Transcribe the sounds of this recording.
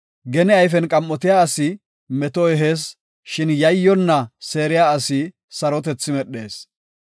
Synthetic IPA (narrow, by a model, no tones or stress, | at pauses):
ɡɛnɪɐjfɛnkʼɐmːɔt̪ɪjaːɐsɪ | mɛt̪ɔɛɦeːs | ʃɪnjɐjːɔnːɐse̞ːɾɪjaːɐsɪ | sɐɾɔt̪ɛt͡sːɪmɛɗːe̞̰ːs